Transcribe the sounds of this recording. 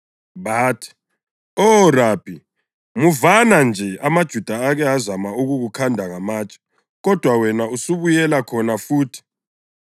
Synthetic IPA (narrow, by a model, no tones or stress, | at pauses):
βaːtʰi̥ | ɔraːpʰi | muvanand͡ʒʱɛamad̥ʒ̥ʱud̥ʱaːɣɛazamauɣuɣukʰandʱaŋamaːt͡ʃʼɔ̥ | ɣɔd̥ʱwawɛnausuβujɛlakʰɔnafuːtʰi̥